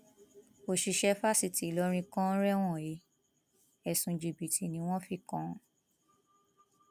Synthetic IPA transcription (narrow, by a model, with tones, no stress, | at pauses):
o˨ʃi˨˧ʃɛ˦fa˦si˦˨ti˨lɔ˧˦ɾ̃ĩ˧kɔ̃˦ɾɛ˦w̃ɔ̃˦˨je˨˦ | ɛ˨sũ˧d͡ʒi˨bi˨tʰi˨nĩ˧˦w̃ɔ̃˦fi˦˨kɔ̃˦˨˦